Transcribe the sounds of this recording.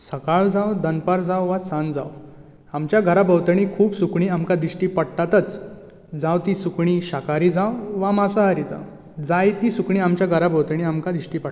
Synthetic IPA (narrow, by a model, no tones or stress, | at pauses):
səkaɭd͡zawd̪ənpaɾd͡zawʋasand͡za̰w | amt͡ɕjaɡʱəɾabəwt̪əɳ̃ikʰuːbsukɳiːamkad̪iɕʈiːpəɽt̪at̪ət͡s | d͡zawt̪isukɳiɕakaɾiːd͡zawʋamasaɦaɾiːd͡za̰w | d͡zajt̪iːsukɳiːamt͡ɕjaɡʱəɾabʱəwt̪əɳ̃iamkad̪iʂʈiːpə